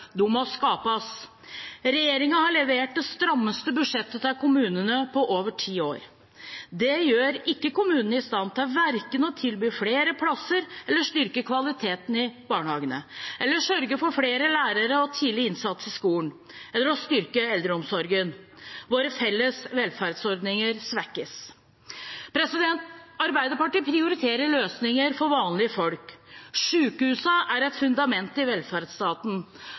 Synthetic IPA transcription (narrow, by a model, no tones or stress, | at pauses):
d̪ʉmɔskɑːpɑs | ɾɛjeːɾɪŋɑhɑɭɛʋeːʈ̚d̪ɛst̪ɾɑmːəst̪əbʉʂɛt̪ːət̪ɪlkʰʊmʉːnənəpʰɔʔoːʋəʈʰiːoːɾ | d̪ɛjøːɾɪkːəkʊmʉːnənəɪst̪ɑnt̪ʰɪlʋæɾkənɔt̪ʰɪlbyːfɽeːɾəpʰlɑsːəɾɛlːəʂt̪ʏɾkəkʰʋɑlɪt̪ʰeːt̪ənɪbɑːɳhɑːɡənə̰ʔɛlːəʂœɾɡəfɔɾfɽeːɾəlæːɾəɾəɔt̪ʰiːlɪɪnsɑt̪sɪskuːln | ɛlːəɾɔst̪ʏɾkəɛld̪ɾəɔmsɔɾɡən | ʋoːɾəfɛlːəsʋɛlfæɾd̪sɔɾd̪nɪŋəɾsʋækːəs | pʰɾɛsɪd̪ɛnt̪ɑɾbæɪd̪əɾpɑʈiːpʰɾɪʊɾɪt̪ʰeːɾəɭøːsnɪŋəɾfɔɾʋɑːnlɪəfɔlkʂʉːkhʉːsəʔæɾɛt̪fʉnd̪ɑmɛnt̪ɪʋɛlfæɾd̪st̪ɑːt̪n̩